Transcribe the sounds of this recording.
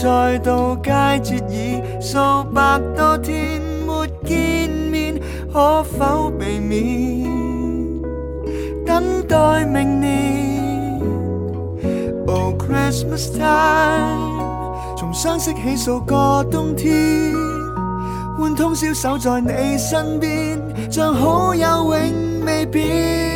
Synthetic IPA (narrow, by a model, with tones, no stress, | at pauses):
t͡ɕɔ˨˩jt̪o˨˧˩wkaː˧jt͡ɕi˨˩t̚zi˧˥ | sə˧wpaː˨˩k̚t̪ɔ˧t̪ʰi˧m | mo˨˩t̚ki˧nmi˧n | hɔ˧˦fa˧˥wbe˨˩jmi˧˥ | t̪a˧˥ŋt̪ɔ˧˩jmɪ˨˩ŋ̟ni˧ | o˨˧kʰɹi˥smə˨st̪ʰa˥ | t͡sʰʊ˨˩ŋsœː˥ŋsɪ˥k̚ɦe˨˥jso˨˧wkɔː˧t̪ʊ˥ŋt̪ʰi˥ | wuː˨˧nt̪ʰʊ˥ŋsiː˧˥wsɐ˨˥wt͡sɔː˨jne˨˧jsɐ˥npiː˥n | t͡ʃœː˧ŋɦo˨˥wjɐ˨˧wwɪ˨˥ŋ | me˨˧jpiː˨˥